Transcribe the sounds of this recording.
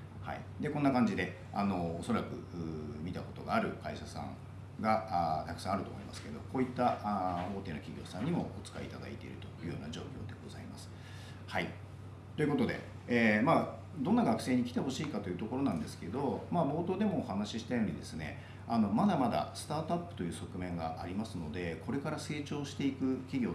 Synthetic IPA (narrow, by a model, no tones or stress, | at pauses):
ha̰ḭd̪e̞konːakãɲ̟d͡ʑid̪e̞ | a̰no̞ːso̞ɾakɯ̟̰ɯmʲit̪ako̞t̪oɡaːɾɯ̟kaiɕasã̰ŋ | ɡat̪akɯ̥sãːaɾɯt̪oːmoimasɨ̥ke̞d̪o̞̰ko̞ːit̪ːaʔo̞ːt̪e̞ːno̞kʲiɡʲoːsãɲ̟ːimo̞̰ot͡sɨ̥kaḭːt̪ad̪a̰it̪e̞̰ḭɾɯ̟t̪ojɯ̟jo̞̰ːnaʑo̞̰ːkʲo̞̰ːd̪e̞ɡ̥o̞za̰imasɨ̥ | hai | t̪o̞jɯ̟ko̞t̪o̞d̪e̞̰ | eːmaː | d̪o̞nːaɡakɯ̟̥se̞ːɲ̟ikʲi̥t̪e̞ɦo̞ɕiːkat̪o̞jɯ̟ːt̪o̞ko̞ɾo̞nãnd̪e̞sɨ̥ke̞d̪o̞maːbo̞ːt̪o̞ːd̪e̞mo̞ːhanaɕiɕi̥t̪ajo̞ːɲid̪e̞sɨne̞̰ | ano̞mad̪amad̪a̰sɨ̥t̪aːt̪oapːɯ̟̥t̪o̞jɯ̟ːso̞kɯ̟mẽ̞ŋɡaʔaɾʲimasɨno̞d̪e̞ko̞ɾe̞kaɾase̞ːt͡ɕo̞ːɕi̥t̪e̞ikɯ̟kʲiɡʲo̞ː